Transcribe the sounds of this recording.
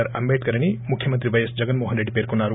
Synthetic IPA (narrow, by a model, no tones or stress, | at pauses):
ɐɾɐ̰mbeʈ̚kɐɾɐñimukʰjɐmənt̪ɾibɐjesd͡ʒɐɡənmoɦɐnɾeɖpeɾkonaɾu